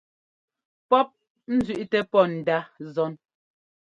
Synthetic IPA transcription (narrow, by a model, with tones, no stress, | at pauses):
pɔ˦p̚ | n̩˦zɥʉ˦˨ʔtɛ˦pɔ˦˨n̩˨da˦zɔ˦n